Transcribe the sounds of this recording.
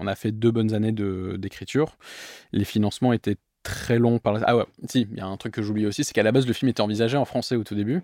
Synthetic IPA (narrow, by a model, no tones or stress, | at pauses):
ɔ̃nafɛd̪øbɔnzaned̪əd̪ekχit̪yːʁlefinɑ̃smɑ̃et̪ɛ | t̪χɛlɔ̃paʁlaa̰wɛsija̰ɛ̃t̪χykːəʒubliosisɛ̥kalabazləfilmet̪ɛɑ̃vizaʒeɑ̃fχɑ̃sɛot̪ud̪eby